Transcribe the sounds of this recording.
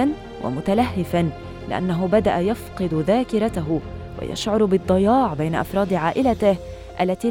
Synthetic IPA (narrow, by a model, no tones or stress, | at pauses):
an | wʔa̰mʊt̪alaɦːɪfan | lɪ̰ʔa̰nːaɦʊbad̪aʔajafqɨd̪ðaːkɪɾˤat̪aɦʊ | wa̰ja̰ʃʕʊɾˤbɨd̪ˤːɑjɑːʕbajnaʔɑ̰fɾˤɑːd̪ʕaːʔɪlat̪ɪh | ʔalːat̪iː